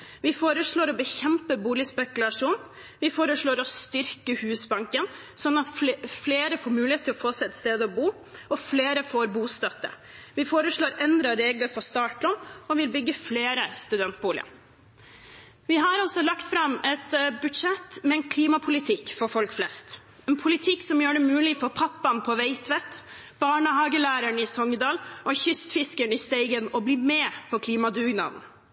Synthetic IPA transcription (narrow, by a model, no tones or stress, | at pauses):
ʋɪfoːɾəʂɭoːɾɔbəçɛmpəbuːlɪəspɛkʉlɑʂuːn | ʋɪfoːɾəʂɭoːɾɔst̪ʏɾkəhʉːsbɑŋkən | sɔnːɑt̪fleːɾəfoːɾmʉːlɪeːt̪ʰːɪlɔfoːsæɛt̪st̪eːd̪əɔbuː | ɔfleːɾəfoːɾbuːst̪œt̪ːə̰ | ʋɪfoːɾəʂɭoːɾɛnd̪ɾɑɾeːɡləɾfɔst̪ɑːʈɔnɔʋɪlbʏɡːəfleːɾəst̪ʉd̪ɛnt̪̚buːlɪ̰ə̰ | ʋɪɦɑɾɔsɔlɑkt̪fɾɑmɛt̪bʉd̪ʂɛt̪ːmɛɛnkʰliːmɑpʰʊlɪt̪ʰɪkːfɔɾfɔlkflɛst̪ | ɛnpʰʊlɪt̪ʰɪkːsɔmjøːɖɛmʉːlɪfɔpʰɑpːɑnpʰɔʋɛɪt̪ʰʋɛt̪ | b̥ɑːɳəhɑːɡəlæːɾæɳɪsɔŋːəd̪ɑːlʔɔçʏst̪fɪskəɳɪst̪eɪɡənɔbliːmɛːpʰɔkʰliːmɑd̪ʉːɡnɑ̰ːd̪n̩